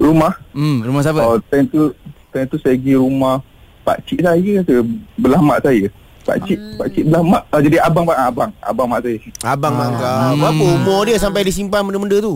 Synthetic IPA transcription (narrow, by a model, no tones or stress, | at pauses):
ɾumahɾumas̬abəɔt̪ant̪ut̪ɛnt̪usaɡiɾumah | pa̰ʔt͡ʃiʔsajəsəbəlahmaʔsajə | pa̰t͡ʃiʔpaʔt͡ʃiʔbəlahmaʔad͡ʒadiabaŋbaʔabaŋa̰baŋmaʔsajəabaŋaabapəumɔ̃diəsampajdisimpanməndəməndət̪u